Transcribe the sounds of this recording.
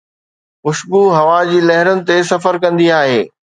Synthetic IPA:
mʊʃbuɦɐʋad͡ʑiːlɐɦɪɾənɪ̆t̪es̬ɐfəɾkɐ̃nd̪iaːɦeː

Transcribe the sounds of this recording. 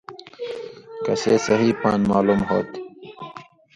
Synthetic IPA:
kɐseːsɐɦiːpʰɑːnmaːlumho̰ːt̪

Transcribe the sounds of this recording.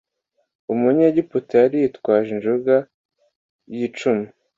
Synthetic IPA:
umuɲeɟiputejaɾijitkwaːʒinʒuɡa | jit͡ʃumi

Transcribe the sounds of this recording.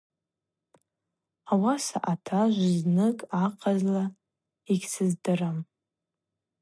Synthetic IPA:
awasa̰ʔatʰaʒʷznɨkʼaqʰʼazla | iɡʲsɨzdɨram

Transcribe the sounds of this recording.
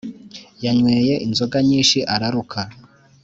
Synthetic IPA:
jaɲweːje̞ʔinzo̞ɡaɲiːnʃiʔaɾaɾukʰa

